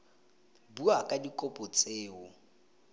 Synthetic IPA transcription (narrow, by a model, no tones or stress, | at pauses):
buakʼadikʼɔpʼɔt͡sʼeːʊ